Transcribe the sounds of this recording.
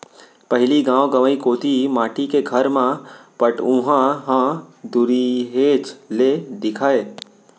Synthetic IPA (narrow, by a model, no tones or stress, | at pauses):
pɐɦɪliɡãːwɡəʋəikoːt̪imaːʈikeɡʱəɾmãpəʈʊ̃ɦãɦãd̪uɾiɦeːt͡ʃled̪ɪkʰaːe